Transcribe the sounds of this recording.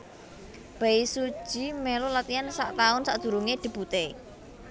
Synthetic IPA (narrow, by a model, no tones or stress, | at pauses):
b̥aisu̥ʒ̥i̤melolat̪iansa̰ʔt̪aʊnsaʔd̪̥ṳɾuŋed̪̥i̤b̥ut̪e